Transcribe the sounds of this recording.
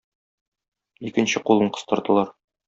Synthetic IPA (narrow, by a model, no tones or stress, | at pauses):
ikɘ̆nɕɘqulˠɤɴqɤ̥̆st̪ɤ̆ɾd̪ɤ̆lˠɑɾ